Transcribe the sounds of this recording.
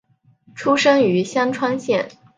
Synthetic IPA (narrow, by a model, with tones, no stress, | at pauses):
ʈ͡ʂʰu˥ʂɤ˥ŋy˧˥ɕjɑ˥ŋʈ͡ʂʰwa˥nɕjɛ˥˩n